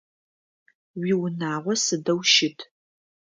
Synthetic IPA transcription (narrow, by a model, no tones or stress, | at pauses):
wiwnaːʁʷɔsɨdɐwʃɪtʰ